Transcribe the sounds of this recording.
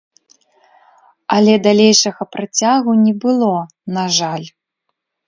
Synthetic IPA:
ɐlʲɛd̪alʲejʂɐɣɐpɾat͡sʲaɣunʲɛbɨlˠɔ | naʐalʲ

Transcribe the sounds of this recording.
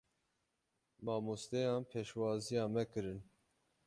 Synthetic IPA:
mɑːmust̪ɛjɑːnpʰeːʃwɑːzijɑːmɛkɨɾɨn

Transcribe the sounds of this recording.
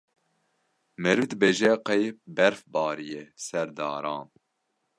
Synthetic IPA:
mɛɾɨvd̪ɨbeːʒɛqɛjbɛɾfbɑːɾijɛsɛɾd̪ɑːɾɑːn

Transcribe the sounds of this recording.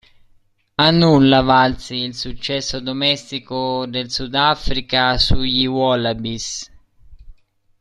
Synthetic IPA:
anːulːavalt̪siːlsut͡ʃːɛsːʊd̪omɛst̪ikʊd̪elsud̪afɾikasuʎiwɔlabis

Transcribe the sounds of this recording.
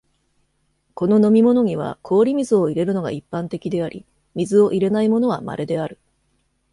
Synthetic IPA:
ko̞no̞no̞mʲimo̞no̞ɲ̟iβ̞a̰kʰo̞ːɾʲimʲizɨoiɾe̞ɾɯ̟no̞ɡa̰ipːãnt̪e̞kʲid̪e̞aɾʲḭ | mʲizɨo̞ʔiɾe̞naimo̞no̞βama̰ɾed̪e̞aɾɯ̟

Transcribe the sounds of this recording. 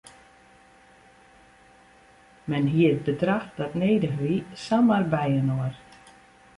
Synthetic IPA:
mɛnɦiəɾ̚bətɾaht̪atnejdəɦisamaɾbɛjənoəɾ

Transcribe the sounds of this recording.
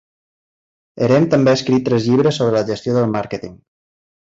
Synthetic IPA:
ə̰ɾɛmt̪əmbeəskɾit̪ːɾɛzʎiβɾəsːoβɾələʒəst̪joðəlˠmaɾkət̪iŋ

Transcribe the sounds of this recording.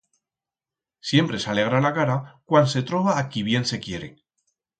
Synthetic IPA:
sje̞mpɾe̞sale̞ɣ̞ɾalakaɾakwanse̞t̪ɾo̞βaːkiβ̞je̞nse̞kje̞ɾe̞̰

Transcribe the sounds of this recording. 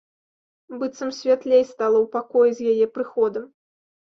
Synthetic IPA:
bɨt̪sɐmsʲvʲat̪lʲejst̪alˠɐwpakɔjɛzʲjajɛpɾɨxɔd̪ɐm

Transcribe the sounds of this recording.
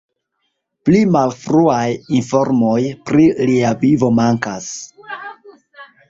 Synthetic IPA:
plimalfɾuajinfo̞ɾmo̞jpɾiliavivo̞maŋkas

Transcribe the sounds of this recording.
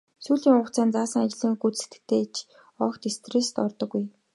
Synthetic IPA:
suːɮiːŋʊ̆t͡sʰæːnt͡saːsə̆ŋat͡ɕɪ̆ɮɘ̆ŋɡut͡sse̥t̪ɘ̥̆k̚t̪ʰeːt͡ɕʰ | ɔːkt̪est̪rest̪ɔrt̪ɞ̆ɡuj

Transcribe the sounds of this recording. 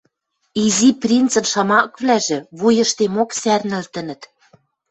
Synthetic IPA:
iziprʲint͡sɤ̆nʃɑmɑkβlæʒĕβujɤ̆ʃt̪emoksærnɘ̆lt̪ɘ̆nə̆t̪

